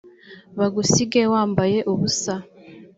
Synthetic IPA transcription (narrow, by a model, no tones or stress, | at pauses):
βaɡusiɡe̞waːmbaje̞ʔuβusa